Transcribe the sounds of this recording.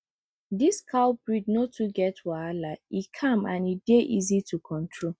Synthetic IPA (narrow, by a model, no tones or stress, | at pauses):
diskʰalbɹidnotʰuɡɛtwaalaikʰãmãnideʔizitʰukʰɔ̃ntʰɹo